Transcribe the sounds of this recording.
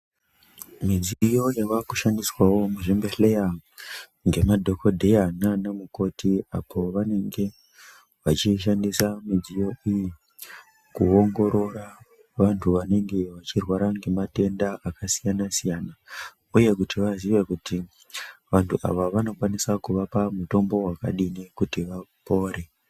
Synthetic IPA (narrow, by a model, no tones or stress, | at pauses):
mid͡ziijo̞jaʋakuʃandiswawo̞muʐimbeɬe̞ja | ŋɡe̞madʱo̞kʰodʱe̞jananemuko̞tiapo̞ʋane̞ŋɡe̞ | ʋat͡ʃiʃ̬andisamid͡zijo̞iji | kuo̞ŋɡo̞ɾo̞ɾa | ʋantʰuʋane̞ŋɡe̞ʋat͡ʃirwaɾaŋɡe̞mate̞ndaʔakasijanasijana | uje̞kutiʋaziʋekuti | ʋantʰuʔa̰ʋaʋano̞kwanisakuʋapamuto̞mbo̞waka̰ɗinekutiʋapo̞ːɾe̞